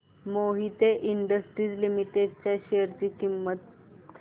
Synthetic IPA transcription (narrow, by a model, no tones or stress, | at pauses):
moɦit̪eʔiɳɖəsʈɾiːd͡zlimiʈeɖt͡ɕjaɕejəɾt͡ɕiːkimːət̪̚